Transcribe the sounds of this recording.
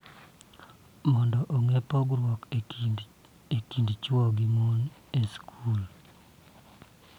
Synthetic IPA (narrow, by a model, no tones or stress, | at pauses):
mɔndɔʔoŋepɔɡɾwɔk | ekindt͡ʃwɔɡimoneskʰul